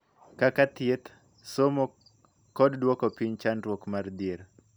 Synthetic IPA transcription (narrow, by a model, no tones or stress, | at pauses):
kakat̪jet̪ | somo | kɔddwokopiɲt͡ʃanrwokmard̪eɾ